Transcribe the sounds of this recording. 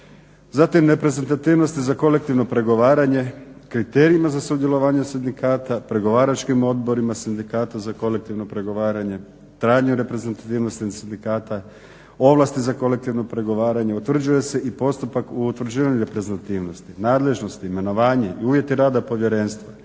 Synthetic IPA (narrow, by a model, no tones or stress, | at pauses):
zat̪imɾe̞pɾe̞ze̞nt̪at̪iːʋno̞st̪izako̞le̞k̚t̪iʋno̞pɾe̞ɡo̞ʋaːɾaɲe̞kɾit̪e̞ːɾiimazasud̪je̞lo̞ʋaːɲesind̪ikaːt̪apɾe̞ɡo̞ʋaːɾat͡ʃkimo̞d̪bo̞ɾimasind̪ikaːt̪azako̞le̞k̚t̪iʋno̞pɾe̞ɡo̞ʋaːɾaɲe̞ | t̪ɾaːɲuɾe̞pɾe̞ze̞nt̪at̪iːʋno̞st̪inasind̪ikaːt̪a | o̞ʋlˠast̪izako̞le̞k̚t̪iʋno̞pɾe̞ɡo̞ʋaːɾaɲe̞ut̪ʋr̩d͡ʑuje̞se̞ʔipo̞st̪upakuut̪ʋr̩d͡ʑiːʋaɲuɾe̞pɾezet̪at̪iːʋno̞st̪inaːd̪le̞ʒno̞st̪iːme̞no̞ʋaːɲeiuːʋje̞t̪iɾaːd̪apo̞ʋje̞ɾe̞ːnst̪ʋa